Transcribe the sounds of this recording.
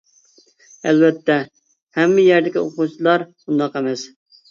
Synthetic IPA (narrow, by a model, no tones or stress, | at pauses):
ɛlvɛt̪ʰːɛ | hɛmːɪjæɾd̪ɪkʲioqut͡ʃʰilˠɑɾbund̪ɑqɛmɛs